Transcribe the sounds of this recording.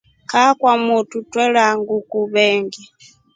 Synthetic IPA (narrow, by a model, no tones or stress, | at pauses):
kakwamututwɛlaŋɡukuβɛŋɡi